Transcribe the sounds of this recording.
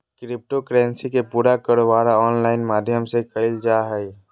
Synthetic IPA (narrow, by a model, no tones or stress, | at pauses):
kɾɪp̚ʈokɾɛ̃ːnsikepuːɾakəɾʋaːɾaɔːnlaːɪnmaːd̪ʱjəmsekəld͡ʒaːɦɛi